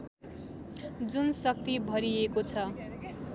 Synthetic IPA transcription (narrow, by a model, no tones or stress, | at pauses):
d͡zunsʌk̚t̪ibʱʌɾiekot͡sʰʌ